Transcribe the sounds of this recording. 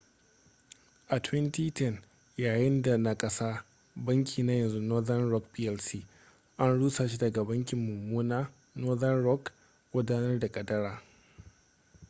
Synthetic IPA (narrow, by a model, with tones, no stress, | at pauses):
ʔa˨tʰwɛ˦ntiː˦tɛ˦n | jaː˨jɪ˦nda˨na˦kʼɐ˦saː˦ | bɐ˦ŋkʲʰiː˨na˦jɐ˨nzu˦nɔ˦ðɐ˦nɾɔ˦kpiː˦ʔɛ˦lsiː˦ | ʔa˦nɽuː˦saː˨ʃi˦dɐ˨ɡa˨bɐ˦ŋkʲɪ˨mːʊ˨muː˦naː˦ | nɔ˦ðɐ˦nɾɔ˦k | ɡʷʊ˦daː˦nɐ˦rda˨kʼɐ˨dɐ˦ɽaː˨